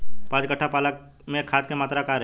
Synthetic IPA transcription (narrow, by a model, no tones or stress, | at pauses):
pãːd͡ʒkəʈʰːapaːlək | mẽkʰaːt̪̚kemaːt̪ɾakaːɾ